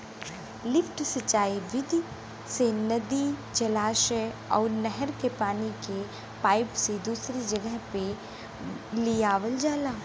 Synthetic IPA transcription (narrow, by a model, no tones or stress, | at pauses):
lɪpʈsɪt͡ʃaːiʋɪd̪ʱi | senɐd̪id͡ʒɐlaːʃəɔ̰ːɾnɛɦəɾkepaːnike | paːɪpsed̪uːsɾid͡ʒɐɡəɦpe | lijaːʋəld͡ʒaːlaː